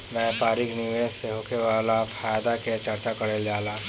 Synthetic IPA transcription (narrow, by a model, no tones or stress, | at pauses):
najpaːɾɪknɪʋeːsseɦokeʋalaːpʰaːjd̪aket͡ʃɐɾt͡ʃakɐɾeld͡ʒaːlaː